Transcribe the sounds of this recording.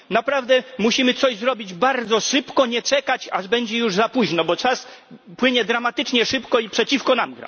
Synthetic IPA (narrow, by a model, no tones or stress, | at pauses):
napɾavd̪ɛmuɕimɘt̪sɔʑzɾɔbʲid͡ʑbaɾd̪zɔʂɘpkɔɲɛt͡ʂɛkat͡ɕaʐbɛɲd͡ʑɛjuʐzapuʑnɔbɔt͡ʂaspwɘɲɛd̪ɾamat̪ɘt͡ʂɲɛʂɘpkɔipʂɛt͡ɕifkɔnamɡɾa̰